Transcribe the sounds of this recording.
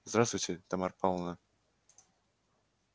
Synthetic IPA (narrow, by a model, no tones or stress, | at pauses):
zd̪ɾast̪vʊjʲtʲɪt̪ɐmarpɑlˠnə